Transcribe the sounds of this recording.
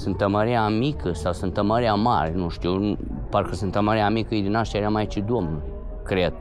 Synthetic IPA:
sɨnt̪ːəməɾiamikəsawsɨnt̪əməɾiama̰ɾenuʃt̪iwnu | parkəsɨnt̪əməɾiamikəid̪inaʃt̪jaɾamajt͡ʃid̪omnə | kɾed̪̥̚

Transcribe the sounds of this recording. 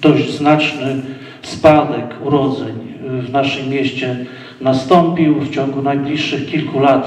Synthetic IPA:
t̪ɔʐznat͡ʂnɘ | spad̪ɛkuɾɔd̪zɛɲvnaʂɘmːjɛɕt͡ɕɛ | nast̪ɔmpʲiwft͡ɕɔŋɡunajblʲiʂːɘxkʲilkulat̪

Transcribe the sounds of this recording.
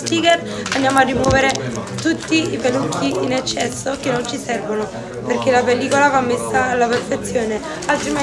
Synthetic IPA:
sp̪iːkɛr | and̪jaːmoarːimwɔːveɾet̪ut̪ːiipelukʰːiinɛt͡ʃːɛsːok̟enːont͡ʃisɛrvono | perk̟elapelːiːkolavamːesːalːaperfet̪sːjoːne | alt̪ɾime

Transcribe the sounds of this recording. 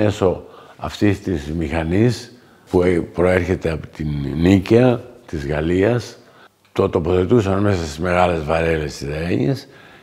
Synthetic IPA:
e̞so̞ɐ̰ft̪ist̪izmixɐnis | pupɾo̞e̞ɾçe̞t̪e̞ɐpot̪innicɐt̪izɣɐliɐs | t̪ot̪o̞po̞θe̞t̪usɐnme̞sɐst̪izme̞ɣɐle̞zvɐɾe̞le̞st̪iseeɲes

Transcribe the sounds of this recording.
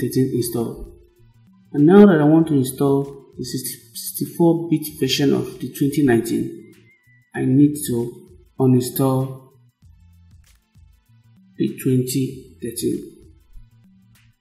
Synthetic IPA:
θɛtĩnĩnstɔ̰l | ãnːaʊɾadɔ̃nwɔ̃ntuĩnstɔldisi | stifɔbitvɛʃɔ̃nɔ̰fditʰwɛ̃ntinãɪ̃ntḭ̃n | aɪnidtu | ɔ̃nĩnstɔl | d̥itʰwɛ̃ntiθɛtḭ̃n

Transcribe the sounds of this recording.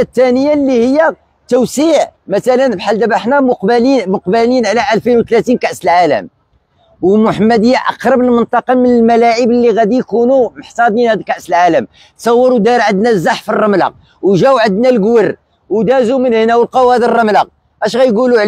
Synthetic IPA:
t̪ːænəjːalːihəjːæ | t̪ʊwsiʕmæt̪ælənbħald̪æbaħnæmʊqblimʊqbəlinʕlæʔælfinwt̪læt̪inkaʔsəlʕalə̰m | wmʊħəmːæd̪əjːæʔɑ̰qɾˤɑbəlmənt̪ˤɑqɑmənəlmælæʕəbəlːiɣæd̪ijkunuməħsˤɑd̪ninhæd̪lkaʔsəlʕaləm | t̪sˤɑwːɑɾud̪ɑɾʕəd̪næzːaħfərˤːɑmlɑ̰q̚ | wʒæwʕəd̪nælɡwər | wd̪æzumənhnæwəlqɑwæd̪ərˤːɑmlɑq̚ | ʔæʃɣæjɡuluʕ

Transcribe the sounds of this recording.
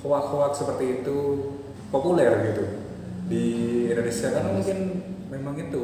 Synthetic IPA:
kowat̪̚kowat̪̚səpərt̪iːt̪u | populɛrbɡit̪u | diindonesiakanamuŋkɪnmemaŋit̪u

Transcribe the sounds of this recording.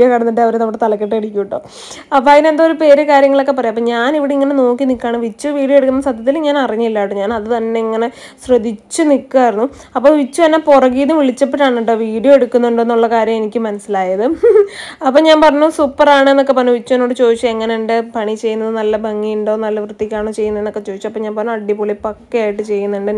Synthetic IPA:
jokɐɽɐnːuɳɖeɐʋɐɾenɐmʋɐɽet̪ɐlɐkːeʈːeɽikʲːuuʈːɖo̞̰ː | ɐpːajinend̪aoɾupe̞ːɾekaːɾjɐŋːɐɭo̞kːe̞p̬ɐrɐjɐpːoːɲaːniʋiɽeiŋːɐne̞no̞ːkːinikːaːɳɨʋit͡ɕːuʋiːɽjoeɽukːunːɐsɐd̪ʱjɐt̪̬ːilɲaːnɐriɲːilːaːʈːuɲaːnɐðɨt̪ɐnːe̞iŋːɐne̞ | srɐd̪it͡ɕːɨnikːuarinːu | ɐpːoːʋit͡ɕːut̪ɐnːeporɐɣiːnːɨʋiɭit͡ɕːɐp̬ːeʈːaːɳuɳɖoʋiːɽijo̞eɽukːunːuɳɖe̞nːuɭːɐkaːɾjɐme̞nikʲːɨmɐnɐsilaːjɐðɨ | ɐpːoːɲaːnpɐrɐɲːusuːpːɐraːɳɨenːokːe̞pɐnːuʋit͡ɕːuenːoːɽɨt͡ɕo̞ːiʂɐeŋːɐneuɳɖepɐɳit͡ɕe̞jːunːɐðɨnɐlːɐbʱɐŋːijuɳɖoːnɐlːɐʋrɨt̪ːikʲːaːɳoːt͡ɕe̞jːunːɐenːokːe̞t͡ɕo̞ːd̪it͡ɕːumɐpːoɲaːnpɐrɐnːumɐɖjipːoːɭipɐkːɐjaːjiʈːɨt͡ɕe̞jːunːuɳɖɨ

